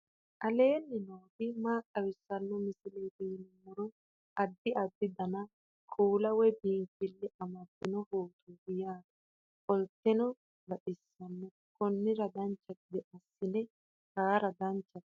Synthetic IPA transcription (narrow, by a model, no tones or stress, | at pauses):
ʔɐle̞ːnːɪnoːd̪ɪmaːkʼːɐwɪsːɐnːɔmɪsɪleːt̪iːnɪmʊɾɔ | ɐd̪ːɪɐd̪ːɪd̪ɐnɐ | kʼuːlɐwɛbiːŋkɪlːɪɐmɐt̪ːɪnɔhoːt̪ʰuːɡɪjaːd̪ɐ | kʼɔlt̪ːɛnɔ | ɡɐᶑɪsːɐnːɔ | kɔnːɪɾɐd̪ɐnt͡ʃːɐt̪̚ɪd̪ɛʔɐsːɪnɛ | kaːɾɐd̪ɐnt͡ʃːɐt̪